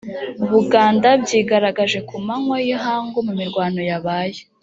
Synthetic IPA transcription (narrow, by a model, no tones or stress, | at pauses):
βuɡaːndabɟiːɡaɾaɡaʒe̞kumaŋwojiɦaːŋɡumumiɾɡwaːno̞jaβaːje